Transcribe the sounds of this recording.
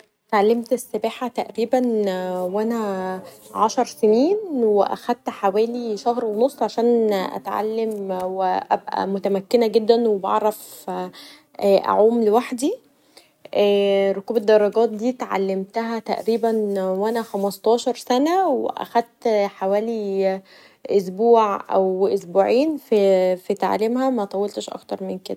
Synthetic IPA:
t̪ʕalːemt̪esːebæːħat̪æʔɾiːbænwʔænæ | ʕaʃɑɾˤseniːnweʔæ̰xæd̪̚t̪ħawæːliʃæhɾwenosˤːʕaʃæːnʔæ̰t̪ʕa̰lːemweʔæ̰bʔæ̰mot̪æmækːenæɡed̪ːænwebɑ̰ʕɾˤɑf | ʔːʔæ̰ʕuːmlewaħd̪i | ʔæːɾokuːbed̪ːɑrˤːɑɡæːt̪̚d̪iːt̪ʕa̰lːemt̪æɦæt̪æʔɾiːbænwænæxæmɑst̪ˤɑːʃɑɾˤsænæwḛʔæ̰xæd̪̚t̪ħawæːli | ʔosbuːʕʔæ̰wʔosbuːʕiːnffit̪a̰ʕa̰lemhæmæʔɑt̪ˤɑwelt̪eʃʔɑ̰kt̪ɑɾˤmenked̪æ

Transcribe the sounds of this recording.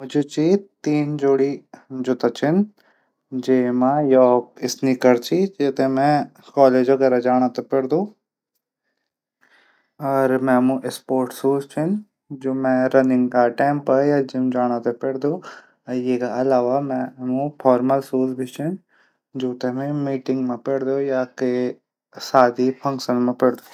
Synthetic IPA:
mʊd͡ʒʱet͡ʃiːt̪iːnd͡ʒoːɽid͡ʒʊt̪at͡ʃʰɪn | d͡ʒeːmãjɔːkɪsnikəɾt͡ʃʰid͡ʒeːt̪emɛ̃ | kaːleːd͡ʒʋɐɡɛːɾad͡ʒaːɽ̃at̪epɛɽd̪õː | ɔːɾmɛ̃mũʔɪspoːɾʈsuːzt͡ʃʰɪn | d͡ʒoːmɛ̃ɾɐnɪ̃ŋɡkaʈɛ̃ːmpɐjad͡ʒɪmd͡ʒaːɽ̃at̪epɛɽd̪o | jekaɐlaːʋamɛ̃ɦmũpʰɔːɾməlsuːzbʱit͡ʃʰʊn | d͡ʒoːt̪emẽmiːʈɪ̃ŋɡmẽpɛɽd̪ojake | saːd̪ipʰɐ̃ŋkʃənmẽpɛɽd̪oː

